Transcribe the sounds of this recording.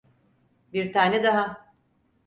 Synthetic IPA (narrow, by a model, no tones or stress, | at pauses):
biɾt̪ʰaːnɛd̪aɦa